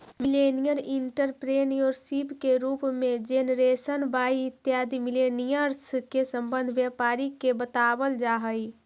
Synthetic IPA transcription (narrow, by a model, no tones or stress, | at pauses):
mɪlenijəɾiɳʈəɾpɾeːnijoɾsipkeɾuːpmẽd͡ʒenɾeːsənbaːiɪt̪jaːd̪imilenijəɾskesəmbə̃nd̪ʱʋjəpaːɾikebət̪abəld͡ʒaɦəi